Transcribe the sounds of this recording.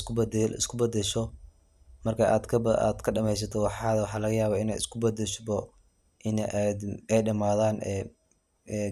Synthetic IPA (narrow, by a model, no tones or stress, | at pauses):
kʊb̪ɪ̰skʰʊbɐd̪ɛʃɔ | mɐrkʰɐʔa̰ːd̪kʰɐa̰ːd̪kʰɐɖɐmɛjs̬ɐt̪ʰɔwɑħɑðwɑħɑːlɐɣɐjaːβaːɪnɛjɪskʰʊbɐd̪ɛʃbɔ | ʔɪnʔd̪ɛjɖɐmaːðaːnʔɛː | ɛː